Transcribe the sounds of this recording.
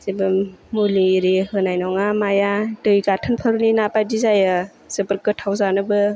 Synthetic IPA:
zebɯmːuliɾihɯnajnɔŋamajadɯjɡatʰɯnpʰəɾninapajdizajɯ | z̥ɯpəɾkɯtʰawzanɯbɯ

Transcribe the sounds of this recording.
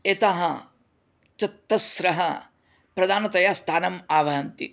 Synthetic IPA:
et̪aɦɐ | t͡ʃɐt̪ːɐsɾɐɦɐ | pɾɐd̪ʱaːnɐt̪ɐjaːst̪ʰaːnɐmaːʋɐɦɐnt̪ḭ

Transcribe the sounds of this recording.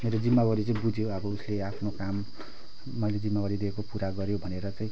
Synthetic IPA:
meɾod͡zimːawʌɾit͡saĩbud͡zʱjoʌbʌusleapʰnokamː | ʌjled͡zimːawaɾid̪iekopuɾaɡʌɾjobʱʌneɾʌt͡saĩ

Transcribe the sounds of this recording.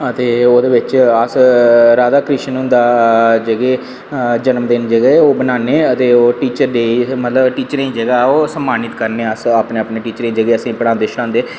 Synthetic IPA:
ət̪eːoːd̪eːʋɪt͡ʃəsɾaːd̪aːkɾɪʃənɦʊ̃nd̪aːd͡ʒəɡeː | d͡ʒənəmd̪ɪnd͡ʒəɡeːoːbənaːneːət̪eːoːʈiːt͡ʃəɾd̪eːimət̪ləbʈiːt͡ʃəɾ̃ĩːd͡ʒəɡaːoːsəmːaːnɪt̪kəɾneːəsaːpneːapneːʈiːt͡ʃəɾẽĩːd͡ʒəɡeːəsĩːpəɽãːnd̪eːʃəɽ̃ãːnd̪eː

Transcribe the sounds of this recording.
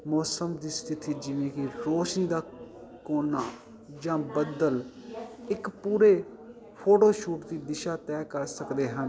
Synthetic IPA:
mɔːsəmd̪iːst̪ɪt̪iːd͡ʒɪʋẽːkɪɾoːʃniːd̪aːkoːnaː | d͡ʒãːbəd̪əl | ɪkpuːɾeː | pʰoːʈoːʃuːʈd̪iːd̪ɪʃaːt̪ɛːkəɾsəkd̪eːɦən

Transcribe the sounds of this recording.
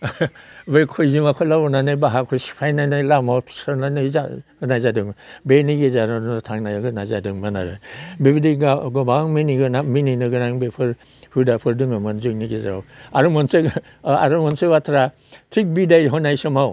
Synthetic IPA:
bejkʰojzimakʰɔlabɔnanajbaɦakʰɔjsi̥pʰajnajnajlamawʰsɯɾnanazaɯnajzadɯŋbeniɡezaɾadnatʰaŋnajaɡɯnazadɯŋmanaɾɯ̰bibidiɡɡɔbaŋminiɡɯnamininɯɡɯnaŋbepʰɯɾ | hudapʰɯɾdɯŋamanzɯk̚niɡezaɾawaɾumɔnsek | a̰ɾumɔnsebatʰɾa | tʰik̚bidajɦɔnajsɯmaw

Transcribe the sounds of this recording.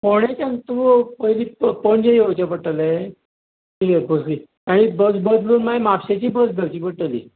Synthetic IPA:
koɽ̃et͡ɕant̪uːpəiliːppəɳd͡ʑejot͡ɕapəʈəle | tiɡeɾbəsliː | aɽ̃ibəsbəd̪luːnmajmapɕet͡ɕiːbəd͡zɡ̪ʱəɾt͡ɕiːpəʈəlḭː

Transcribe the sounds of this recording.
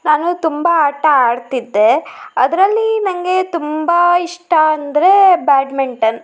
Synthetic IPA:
naːnut̪umbɐaːʈɐaːɽt̪id̪ːe̞ɐd̪ɾɐlːinɐŋɡe̞t̪umbɐiʂʈɐɐnd̪ɾe̞baːɖmiɳʈɐn

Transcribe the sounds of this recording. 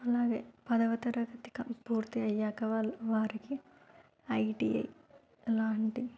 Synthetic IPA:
ɐlaːɡḛːpɐd̪ɐʋɐt̪ɐɾɐɡɐt̪i̥kɐpuːɾt̪iɐjːaːkɐʋalʋaːɾiki | ɐjʈiɐ̰j | laːɳʈi

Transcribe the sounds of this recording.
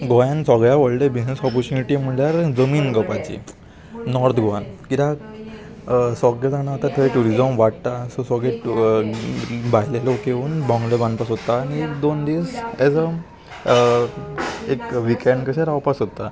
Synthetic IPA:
ɡojãnsɔɡɭjaʋəɭʈebid͡znəsɔpɔɾt͡ɕuniʈim̤əɳljaɾd͡zəmiːnɡəpat͡ɕḭ | nɔɾt̪ʰɡʱoankit̪a | sɔɡɭed͡zañaːt̪at̪ʰəʋeʈuɾid͡zəmʋaʈt̪asɔsɔɡɭe | baɦlelokeuːnbɔ̃ŋɡlebanpasɦot̪aːñiekd̪ond̪isɛd͡zə | ekʋikeɳɖkəɕaɾawpasɦot̪a

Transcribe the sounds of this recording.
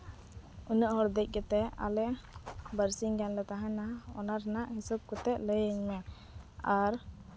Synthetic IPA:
uɲəʔɦɔɽd̪əc̚ˀɡɛt̪ɛa̰lɛʔbəɾsiŋɡanlɛt̪aɦãnaɦaɔ̰naɾnaʔɦisɔb̚kɔt̪ɛʔləjəɲmɛ | aɾ

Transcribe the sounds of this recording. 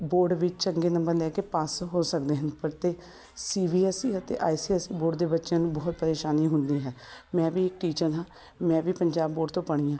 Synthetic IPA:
boːɾɖʋɪt͡ʃt͡ʃəŋɡeːnəmbəɾd̪ɛːkepaːsɦoːsək̚d̪eːɦənd̪pəɾt̪eː | siːbiːɛsiːət̪ḛːʔaːisiːɛsiːboːɖd̪eːbətːʃãːnũːbɔːt̪̚pəɾeːʃaːniːɦʊnd̪iːɦɛːmɛ̃ːʋiːɪkʈiːt͡ʃəɾɦãː | mɛ̃ːʋiːpəɲd͡ʒaːbːoːɖt̪õːpəɽ̃iːãː

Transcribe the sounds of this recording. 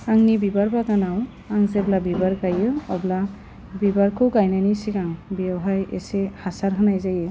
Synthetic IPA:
aŋnibibaɹbakanaw | aŋzɛblabibaɹkajɯɔbla | bibaɹkɯwkajnanisikaŋbiaɦajḛsehasaɾɦanajzajɯ

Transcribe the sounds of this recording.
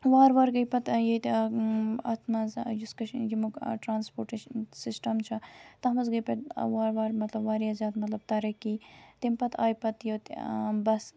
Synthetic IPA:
ʋaːɾʋaːɾɡɐjpɐt̪jet̪ | ɐ̰t̪ʰmɐzjuskɐʃjimukʈɾaːnspoːɾʈeʃɐnsisʈɐmt͡ʃʰɐt̪ɐɦmɐzɡɐjpɐtʋaːɾʋaːɾmɐt̪lɐbʋaːɾijɐzjaːt̪mɐt̪lɐb̚t̪ɐɾɐkiːt̪impɐt̪ʰa̰ːjpɐt̪jot̪bɐs

